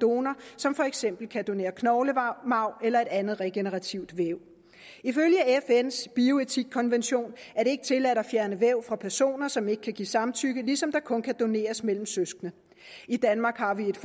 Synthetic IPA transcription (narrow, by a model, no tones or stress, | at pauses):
d̥o̝ːnɐsɒ̽mfɒ̽eɡ̥sem̰b̥l̩kʰæd̥o̝ne̝̰ːɐkʰnɒʊləmɑ̈ʊ̰elɐe̝d̥ænð̩ˠʁɛɡ̥enəʁɑ̈t͡sʰiʊ̰d̥ʋeʊ̰ | iføljəæefen̰sb̥io̝e̝t͡sʰiɡ̥̚kʰɒ̽nʋenɕo̝̰ːnæɐd̥e̝e̝ɡ̥ət͡sʰe̝læɾɐfjæɐnəʋeʊfʁɑ̈pʰæɐso̝̰ːnɐsɒ̽me̝ɡ̥əkʰæɡ̥ḭːsɑ̈mt͡sʰyɡ̥əlisɒ̽md̥ɑ̈kʰɔ̽nkʰæd̥o̝ne̝̰ːɐsmel̰m̩søsɡ̥nə | id̥ænmɑ̈ːɡ̥hɑ̈ʋie̝d̥f